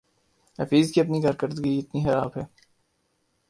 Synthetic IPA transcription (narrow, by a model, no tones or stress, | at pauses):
hɐfiːzkiɐpnikaːɾkəɾd̪ɡiɪt̪nixɐɾaːbɦɛː